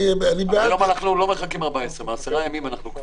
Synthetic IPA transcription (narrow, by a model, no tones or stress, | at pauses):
anibeajomanaχnulo̞meχakimaʁbaesʁemeaseʁajamimanaχnuk